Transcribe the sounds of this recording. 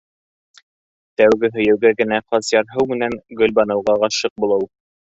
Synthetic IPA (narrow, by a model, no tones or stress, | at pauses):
t̪æwɡɘɦɵ̆jɘ̆wɡæɡɘ̆næqɑsjɑɾɦɤwmɘ̆næŋɡɵ̆lʲbɑnɤ̆wʁɑɑʃɤq̚bulˠɤw